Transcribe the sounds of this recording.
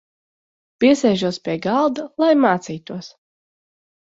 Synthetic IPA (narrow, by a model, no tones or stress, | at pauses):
pʲiɛsɛjʒuɔspʲiɛɡɑlˠd̪alˠajmaːt̪siːt̪uɔs